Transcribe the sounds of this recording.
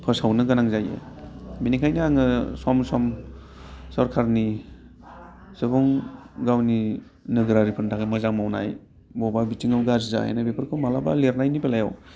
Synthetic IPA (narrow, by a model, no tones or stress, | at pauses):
pʰɯsawnɯɡanaŋzajḛminikʰajniaŋɯsɔmsɔm | sɔɾkʰaɾni | sɯbɔŋɡawni | nɯɡɾaɾipʰɯntʰakamazaŋmawna̰j | bɔbabitiŋawɡaziza̰a̰nabepʰɯɾkʰɯwmalaba̰leɾnajnipelajaw